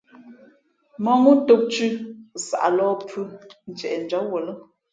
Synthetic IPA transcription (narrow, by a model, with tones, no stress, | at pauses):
mɔ˦ŋu˦to˨˦k̚t͡ʃʉ˦sa̰˨ʔa˨lɔː˦pʰʉ˦n̩˨t͡ʃɛ˨ʔɛ˨n˨d͡ʒa˦wo˨lə˦